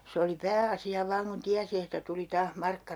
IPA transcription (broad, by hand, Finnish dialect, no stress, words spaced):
se oli pæːɑsiɑ ʋɑːŋ kun tiæsi etːæ tuli tɑːh mɑrkːɑ